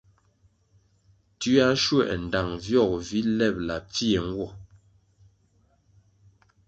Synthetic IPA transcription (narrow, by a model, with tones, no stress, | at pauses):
tʉ˦a˦ʃwɛ˦˨ʔn̩˨da˨ŋvjɔ˦˨k̚vi˦lɛ˦˨p̚la˨p͡fi˦e˨ŋ̩˦ɡwɔ˦˨